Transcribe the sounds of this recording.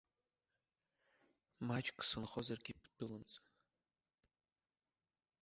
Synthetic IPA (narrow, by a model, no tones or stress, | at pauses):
mat͡ʃʼkʼsɨnχozarɡʲipʰd̥ɨlɨmt͡sʼa